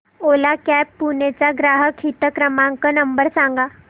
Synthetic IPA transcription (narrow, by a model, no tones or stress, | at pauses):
oːlakɛpːunet͡ɕaɡɾaːɦəkɦit̪əkɾəmãŋkənəmbəɾsãŋ̆ɡa